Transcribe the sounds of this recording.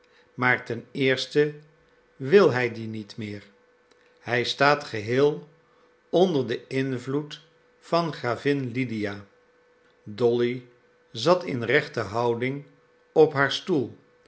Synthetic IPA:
maːɹtɛnɪːɹstə | ʋɪlˠɦɛjdinitmɪːɹ | hɛjstaːtχəɦɪːlˠ | ɔndəɹdəɪnvlut | fɑnχraːvɪnlidijaː | dɔli | zɑtɪ̰nrɛχtəɦɑwdɪŋ | ɔpɦaːɹstulˠ

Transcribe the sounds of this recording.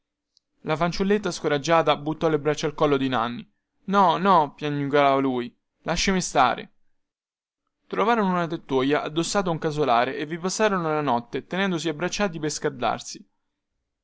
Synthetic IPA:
lafant͡ʃulːet̪ːaskoɾad͡ʒːaːt̪abut̪ːɔlːebɾat͡ʃːalkɔlːod̪ina̰nːi | nɔnɔpjaɲːukaaːvaluːj | lʔaʃːemist̪a̰ːɾḛ | t̪ɾovaːɾonounat̪et̪ːoːjaʔad̪ːosːaːt̪̬ouŋkaz̬olaːɾeʔevːipasːaːɾonoalanɔt̪ːet̪enɛnd̪osiabːɾat͡ʃːaːt̪̬ipeskard̪a̰rsi

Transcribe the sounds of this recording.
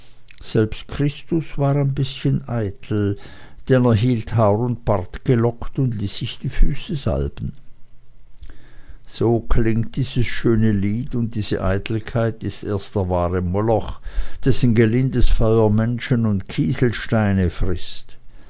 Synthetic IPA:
z̥ɛlpstkʁ̥ɪstʊsv̥aːʁaɪnbɪsçənʔaɪtʰl̩ | d̥ɛneːɐɦiːlthaʊʁʊnt̚b̥aʁtɡ̥əlɔktʊndliːsɪçd̥iːfyːsəza̰lbn̩ | z̥oːkʰlɪŋktd̥iːz̥əsʃøːnəliːtʊnt̚d̥iːz̥ə̰ʔaɪtʰl̩kʰaɪtɪstʔḛːɐstd̥əɐvaːʁəmɔlɔxd̥ɛsn̩ɡəlɪndəsfɔʏɐmɛnʃənʊntkʰiːzl̩ʃtaɪnəfʁɪst

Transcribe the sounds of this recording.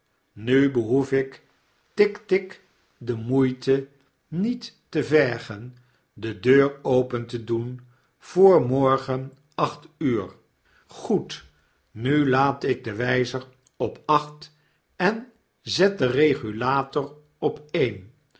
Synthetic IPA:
nybəɦufɪk | tɪktɪk | dəmujtə | nitːəvɛɹχən | dədøːɹowpəntədun | v̥ʊːɹmɔɹχən | ɑχtyːɹ | χut | nylaːtɪɡ̚dəʋɛjzər | ɔpɑχt | ɛn | zɛt̚dərejχylaːtɔɹ | ɔpeːjn

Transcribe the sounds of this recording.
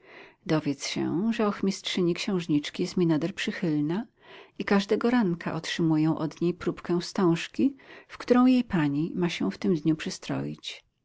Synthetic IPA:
d̪ɔvʲjɛt̪sɕɛ̰ʐɛɔxmʲistʂɘɲikɕɛ̃w̃ʐɲit͡ʂkʲijɛst̪mʲinad̪ɛɾpʂɘxɘlna | ikaʐd̪ɛɡɔɾaŋkʰa̰ʔɔtʂɘmujɛ̃w̃ʔɔd̪ɲejpɾupkɛ̃w̃st̪ɔ̃w̃ʂkʲifkt̪uɾɔ̃w̃jejpaɲimaɕɛft̪ɘmd̪ɲupʂɘst̪ɾɔ̰jḭt͡ɕ

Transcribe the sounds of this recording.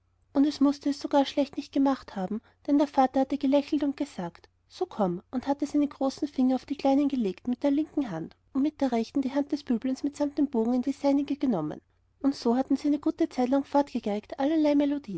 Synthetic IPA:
ʔʊntɛsmʊstəɛsːoɡ̥aːɐʃlɛçtnɪçt̚ɡ̥əmaχthaːbm̩ | d̥ɛndeːɐfaːtɐhatəɡ̥əlɛçl̩tʊnt̚ɡ̥əzaːkt | soːkʰɔmʔʊnthatəsaɪnəɡ̥ʁoːsn̩fɪŋɐɑʊfd̥iːkl̥aɪnənɡəleːktmɪt̚d̥eːɐlɪŋkŋ̩ɦant | ʊntmɪt̚d̥eːɐʁɛçtn̩diːɦant̚d̥ɛsb̥yːblənsmɪtsamt̚d̥emb̥oːɡŋ̩ɪnd̥iːsaɪnɪɡəɡ̥ənɔmə̰n | ʔʊntsoːhatn̩ziɛnəɡ̥uːtət͡saɪt̬laŋfɔɐtɡ̥əɡɛktʔalɐlaɪmelod̥iː

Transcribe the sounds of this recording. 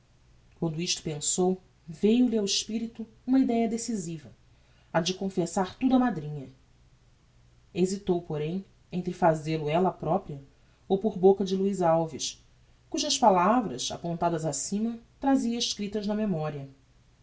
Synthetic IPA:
kwɐ̃nd̪ʊiʃt̪ʊ̥pẽsow | vejʊliawɪʃpiɾit̪ʊ | ũmɐid̪ɛjɐd̪esizivɐ | ɐd͡ʒɪkõfesaɾt̪ud̪ʊɐmad̪ɾĩɲɐ | ezit̪owpoɾẽj̃ | ẽñt̪ɾɪfazelʊɛlɐpɾɔpɾiɐ | owpoɾbokɐd͡ʒɪluizawviʃ | kuʒɐspalavɾɐsa̰põnt̪ad̪ɐzasĩmɐt̪ɾaziɐiʃkɾit̪ɐznɐmemɔɾiɐ

